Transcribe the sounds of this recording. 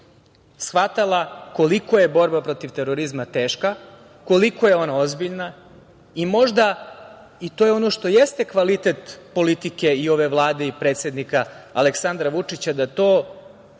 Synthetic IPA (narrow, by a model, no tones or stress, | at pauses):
sxʋat̪alˠako̞liko̞jebo̞ɾbapɾo̞t̪iʋt̪eɾo̞ɾizmat̪e̞ːʃka | ko̞liko̞jeo̞nao̞zbiʎna | imo̞ʒd̪a | it̪o̞ːjeo̞no̞ʃt̪o̞jest̪e̞kʋalit̪e̞t̪po̞lit̪ike̞io̞ʋe̞ʋlˠaːd̪eipɾet̪sʲje̞d̪nikaaleksand̪ɾaʋut͡ʂit͡ɕad̪at̪o̞ː